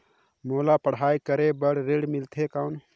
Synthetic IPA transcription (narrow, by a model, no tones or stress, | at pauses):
moːlapəɽ̤aːikəɾebəɽɾeːɽmilt̪ʰekaʊn